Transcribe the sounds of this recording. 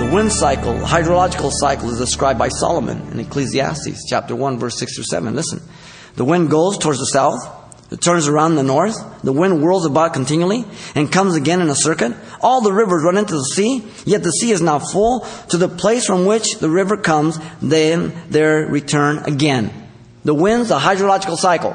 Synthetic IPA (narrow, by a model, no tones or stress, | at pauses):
ðəwɪ̃nd̥saɪkl̩ˠðə̰haɪdɹəlɑd͡ʒɨkl̩ˠsaɪkl̩ˠəzdɨskɹaɪb̚aɪsɑ̰lˠəmɨ̰̃nɨ̰̃nɨkʰl̥iziæ̰stḭst͡ʃʰæ̰p̚tə˞wʌ̃nvɜ˞sɪksθʰɹʉsɛ̰və̃nlɪsn̩ | ðəwɪ̃nɡoʊz̥tʰɔɹdzðəsaʊθ | ɨ̰tʰɜ̃˞nzə˞ãʊ̃nðənɔɹθðəwɪ̃nd̚wɜ˞lˠzəbaʊt̚kʰn̩tʰɪ̃njʉl̩ˠiɨ̃nkʰʌ̃mzɨɡɛ̃nɨ̃nəsɜ˞kɨɾ | ʔɔlˠðəɹɪvə˞zɹʌ̃nɪ̃ntʉðəsi | jɛt̪̚ðɨsiɨznəʊtfʊlˠtʰɨðəpʰl̥eɪsfɹʌ̃mwɪt͡ʃðəɹɪvə˞kʰʌ̃mzðɨ̃nðə˞ɹitʰɜ̃˞nɨ̰ɡɛ̃n | ðəwɪ̃ndzəɦaɪdɹəlɑd͡ʒɨkl̩ˠsaɪkl̩ˠ